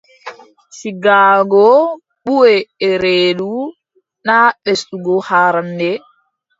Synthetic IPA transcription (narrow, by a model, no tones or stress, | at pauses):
siɡaːɡɔ | ɓuwɛːɾeːɗu | naɓesɗuɡɔhaːɾandɛ